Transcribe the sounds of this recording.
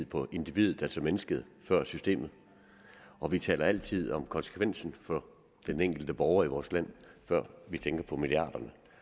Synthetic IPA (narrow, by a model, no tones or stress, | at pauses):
ð̰ˠpʰɒ̽ʔe̝nd̥iʋið̞̩ˠælsɒmenəsɡ̥əð̞̩ˠ | fɶɐ̰sysd̥e̝̰ːmð̞̩ˠ | ʔɒ̽ʋit͡sʰɛ̰ːlɐæl̰t͡sʰið̞̰ˠɒ̽mkʰɒ̽nsə̥kʰʋen̰sn̩fɒ | d̥eneŋ̰ɡ̥l̩d̥əb̥ɒʊɐiʋɒːslæn̰fɶɐ̰ʋit͡sʰeŋɡ̥ɐpʰɒ̽miliɑ̰̈ːd̥ɐnə